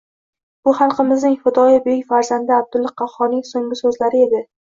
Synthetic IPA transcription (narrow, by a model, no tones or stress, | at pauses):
b̥ʊhɑlˠqʰɨmɪznɪŋfʊd̪ɒjabɪɪjfaɾzand̪ɪab̚d̪ʊlˠːɑqʰɑhɒnɪŋsoŋɡɪsɵzlaɾɪe̞d̪ɪ